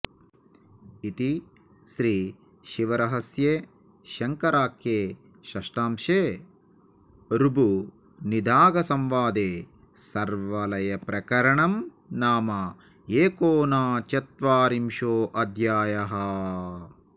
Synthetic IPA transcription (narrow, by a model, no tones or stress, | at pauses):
it̪i | ʃɾiː | ʃiʋɐɾɐɦɐsje | ʃɐŋkɐɾaːkjeː | ʃɐʂʈaːmʃeː | ɾubu | nid̪ʱaːɡɐsɐmʋaːd̪eː | sɐɾʋɐlɐjɐpɾɐkɐɾɐɳɐm | naːmɐ | eːkoːnaːt͡ʃɐt̪ʋaːɾimʃoːʔɐd̪ʱjaːjɐɦɐ